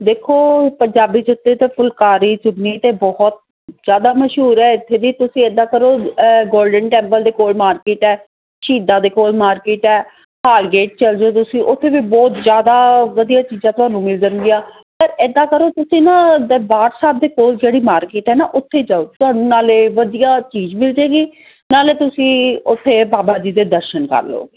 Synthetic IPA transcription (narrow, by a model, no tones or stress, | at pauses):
d̪eːkʰoːpəɲd͡ʒaːbiːd͡ʒʊt̪ːeːt̪eːpʰʊlkaːɾiːd͡ʒʊbniːt̪eːbɔɦɔt̪̚ | zjaːd̪aːməʃɦuːɾɛːɪt̪ʰːeːd̪iːt̪ʊsĩːɛd̪aːkəɾoːɡoːɾɖənʈɛ̃ːmpəld̪eːkoːlmaːɾkeːʈɛː | ʃiːd̪ãːd̪eːkoːlmaːɾkeːʈɛː | haːlɡeːʈ̚t͡ʃəld͡ʒeoːt̪ʊsĩːʔʊt̪ʰːeːʋiːbɔːt̪zjaːd̪aːʋəd̪ijaːt͡ʃiːzãːt̪ʊɦãːnũːmɪld͡ʒənɡ̪ɪjaː | pəɾɛd̪aːkəɾoːt̪ʊsĩːnãːd̪ʋaːɾsaːb̚d̪eːkoːld͡ʒeːɽiːmaːɾkeːʈɦɛːnaːʔʊt̪ʰːeːd͡ʒaːoːt̪ʊɦaːnũːnaːleːʋəd̪ijaːt͡ʃiːd͡ʒmɪld͡ʒeːɡiː | naːleːt̪ʊsĩːʊt̪ʰːeːbaːbaːd͡ʒiːd̪eːd̪əɾʃənkə̰ɾlo̰ːeː